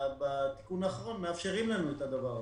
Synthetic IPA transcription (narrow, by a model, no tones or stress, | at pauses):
bat̪i̥kunaːχaʁo̞nmeafʃe̞ʁimlanuet̪ad̪avaʁ